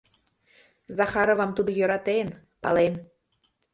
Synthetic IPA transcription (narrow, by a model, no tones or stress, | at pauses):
zɑxɑɾovɑmt̪ud̪ojøɾɑt̪en | pɑ̰lem